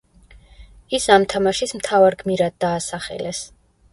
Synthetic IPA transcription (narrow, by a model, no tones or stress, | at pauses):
isamt̪ʰamaʃismt̪ʰavaɾɡmiɾad̪̚ːaːsaχɛ̰lɛs